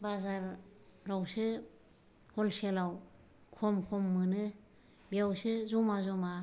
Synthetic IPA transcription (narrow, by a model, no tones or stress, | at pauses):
bazaɾ | ɾawsɯ | hɔlselaw | kʰɔmkʰɔmːɯnɯ | biawsɯzɔmazɔma